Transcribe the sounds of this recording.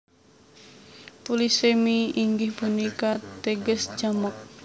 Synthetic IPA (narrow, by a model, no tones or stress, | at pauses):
pulisemiiŋɡihb̥unikat̪eɡəsd͡ʒamɔk̚